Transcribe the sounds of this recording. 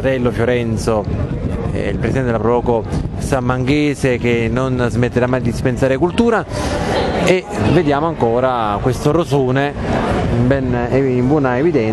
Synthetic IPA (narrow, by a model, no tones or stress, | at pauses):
at̪ɛlːofjoɾɛnt̪so | ɛ̰ḭlpɾesid̪ɛnelapɾovɔːkosamːaŋɡeːsek̟enːonzmet̪ːeɾamːajd̪iispensaːɾekult̪uːɾa | eved̪jaːmoaŋkoːɾakwest̪oɾosoːneimbɛneimbwɔːnaevid̪ɛn